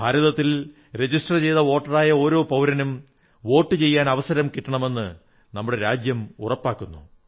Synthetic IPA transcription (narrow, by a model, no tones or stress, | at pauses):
bʱaːɾɐðɐt̪ːil | ɾe̞d͡ʑisʈɐrt͡ɕe̞jðɐo̞ːʈːɐraːjɐo̞ːɾo̞ːpɐwɾɐnum | ʋo̞ːʈːɨt͡ɕe̞jːaːnɐʋɐsɐɾɐmkiʈːɐɳɐme̞nːɨ | nɐmːuɽe̞ɾaːd͡ʑjɐmṵrɐpːaːkːunːu